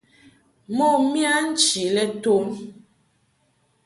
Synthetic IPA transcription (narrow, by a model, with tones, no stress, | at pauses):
mɔ˦˨mja˦n̩˦t͡ʃi˨lɛ˦to˦m